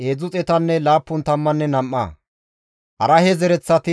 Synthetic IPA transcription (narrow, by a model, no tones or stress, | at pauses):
ʔeːd͡zʊt͡sʼɛt̪ɐnːɛlaːpːʊnt̪ɐmːɐnːɛnɐmːa̰ | ʔɐɾɐhɛzɛɾɛt͡sːɐt̪ɪ